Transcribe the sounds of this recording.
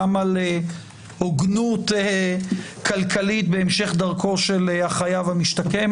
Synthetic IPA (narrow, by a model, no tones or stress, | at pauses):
male | oɡnut̪e | kʰalkʰalit̪beemʃe̞χd̪aʁkʰo̞ʃelhaχajavhamiʃt̪akem